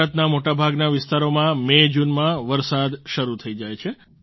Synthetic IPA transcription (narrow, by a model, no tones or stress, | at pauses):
ət̪namoʈabʱaɡnaʋɪst̪aɾomãmed͡ʒunmãʋəɾsad̪ʃəɾut̪ʰəid͡ʒajt͡ʃʰe